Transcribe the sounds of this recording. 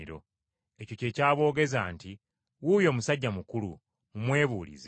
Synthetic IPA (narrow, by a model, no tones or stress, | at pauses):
iɾo̞̰ | e̞co̞ce̞ːcaːβo̞ːɡe̞zaːnti | wujo̞ːmusaɟːamukulṵ | umwe̞ːβuːlḭz